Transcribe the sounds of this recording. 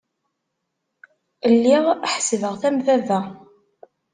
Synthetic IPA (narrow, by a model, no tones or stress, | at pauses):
əlːiʁħsəvəʁθæmθævæ